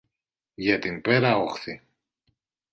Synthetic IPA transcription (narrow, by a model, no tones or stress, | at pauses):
ʝɐt̪inpeɾɐoxθi